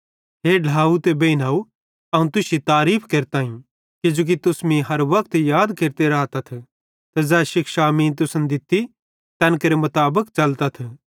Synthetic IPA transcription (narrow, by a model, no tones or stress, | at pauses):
ɦeːɖʱaːut̪ebeːinaːu | ɐũt̪ʊsit̪aːɾiːpʰkeːɾt̪aːɦĩ | kɪd͡ʒoːk̬it̪ʊsmĩɦɐɾʋɐk̚t̪jaːd̪keːɾt̪eɾɐt̪ɐt̪ʰ | t̪ɐzɛːʃɪkʃaːmĩt̪̬ʊsənd̪ɪt̪ːi | t̪ɛ̃ːnkɐɾemɐt̪aːbəkt͡ʃɐlt̪at̪ʰ